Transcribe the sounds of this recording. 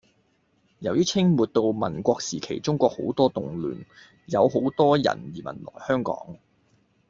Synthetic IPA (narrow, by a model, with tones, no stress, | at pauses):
jɐ˨˩wjiː˥t͡sʰɪ˥ŋmuː˨t̚t̪o˧wmɐ˨˩nkʷɔː˧k̚siː˨˩kʰe˨˩jt͡sʊ˥ŋkʷɔː˧k̚ho̰˨˥wt̪ɔː˥t̪ʊ˨ŋly̰ː˨˩n | jɐ˨˧who˨˥wt̪ɔː˥jɐ̰˨˩njiː˨˩mɐ̰˨˩nlɔ̰ː˨˩jhœː˥ŋkɔ̰ː˨˥ŋ